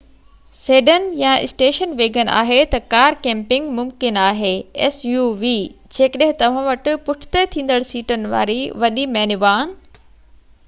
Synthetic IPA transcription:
seːɗənjãɪ̰sʈeːʃənʋeːɡənʔa̰ːɦet̪ɐkaːɾkẽːmpɪ̃ŋɡmʊmkɪnaːɦeːɛsjuːʋiː | d͡ʑeːkəɗɦɪ̃t̪ɐʋ̤ãʋɐʈʊ̆pʊʈʰɪ̥t̪et̪ʰĩːnd̪əɽsiːʈənɪ̆ʋa̰ːɾiʋɐɗimɛːnɪʋaːn

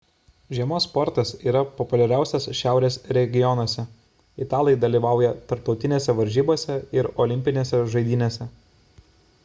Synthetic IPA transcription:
ʒʲiɛmoːspɔɾt̪ɐsiːɾɐpɔpʊlʲɛɾʲæˑʊsʲɛsʃʲæˑʊɾʲeːsɾʲɛɡʲɪjɔnoːsʲɛ | ɪt̪ɑːlˠʲɐjd̪ɐlʲiːʋɑˑʊjɛt̪ɐɾp̚t̪ɒʊt̪ʲɪnʲeːsʲɛʋɐɾʲʒʲiːboːsʲɛɪɾɔlʲɪmʲpʲɪnʲeːsʲɛʒɐɪd̪ʲiːnʲeːsʲɛ

